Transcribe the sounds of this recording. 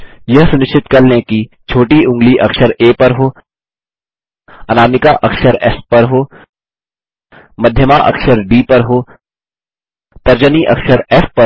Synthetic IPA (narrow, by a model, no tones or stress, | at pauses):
jɐɦsʊnɪʃt͡ʃɪt̪kɐɾlẽkit͡ʃʰoːʈiʊ̃ŋɡliʔɐkʃəɾeːpɐɾɦoː | ɐnaːmɪkaʔɐkʃəɾɛ̰spɐɾɦoː | mɐd̪ʱjəmaʔɐ̰kʃəɾɖiːpɐɾɦoː | t̪ɐɾd͡ʒəniʔɐkʃəɾɛspɐ